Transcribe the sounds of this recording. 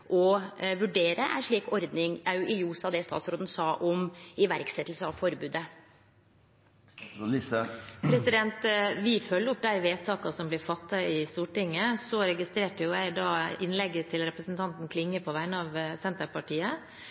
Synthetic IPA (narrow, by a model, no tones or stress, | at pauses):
ʔɔʋʉɖeːɾəʔæ̰ʂɭiːkɔɾd̪nɪŋɑʉʔɪjuːsɑd̪ɛst̪ɑ̰ːt̪sɾoːd̪n̩sɑːʔɔmɪʋæɾksɛt̪ːl̩səɑʋfɔɾbʉːd̪ə | ɪspʰɾɛsɪd̪ɛnt̪ʋɪfœlːəɾʊp̚d̪æɪʋeːt̪ʰɑːkɑsɔmblɪɾfɑt̪ːɑɪst̪uːʈɪŋːəsɔɾɛɡɪst̪ɾeːʈəjʊjæɪd̪ɑːɪnlɛɡːət̪ʰɪlɾɛpɾəsnt̪ʰɑnt̪n̩kʰlɪŋːəpʰɔʋæɪnɑʋsɛnt̪əpɑʈiːə